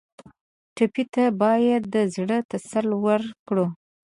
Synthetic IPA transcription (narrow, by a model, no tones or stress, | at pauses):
ʈapit̪abɑjad̪ːəzɽət̪asalwəɾkɽu